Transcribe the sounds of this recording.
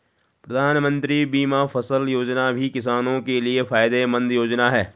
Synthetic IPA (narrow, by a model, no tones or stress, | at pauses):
pɾɐd̪ʱaːnmə̃nt̪ɾibiːmafɐsəljoːd͡ʒnabʱikɪs̬aːnõkeliefaːɪd̪emɐ̃nd̪joːd͡ʒnaɦɛː